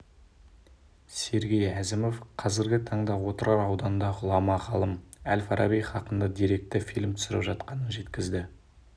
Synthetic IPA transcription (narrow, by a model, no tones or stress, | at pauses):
se̞ɾɡʲe̞jæzɪmo̞fqʰɑzɪɾɡʲɪt̪ʰɑɴd̪ɑwo̞t̪əɾɑɾɑwd̪ɑnd̪ɑʁʊlˠɑmɑʁɑlˠəmælfɑɾʔɑbijχɑqənd̪ɑd̪iɾe̞k̚t̪ɪfilmt̪ʰʏ̥sɪɾɪpʒɑt̪qɑnənʒe̞t̪kʲɪzd̪ɪ